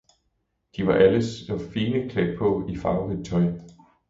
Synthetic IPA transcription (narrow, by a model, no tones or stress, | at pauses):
d̥iʋɑ̈ʔæləsɒfiːnəkʰleɡ̥̚pʰɔ̽ifɑ̈ʊhet͡sʰɒ̽ɪ